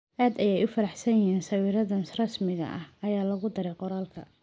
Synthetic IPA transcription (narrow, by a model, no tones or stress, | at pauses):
ʔaːd̪ɐjɛjʊfɐɾɑħsɐjɐɦiːnsɐwiːɾɐðɐnrɐsmɪɣɐ̰ʔɐhɐjaːlɐɣʊd̪ɐɾɛjqɔɾaːlkʰɐ̰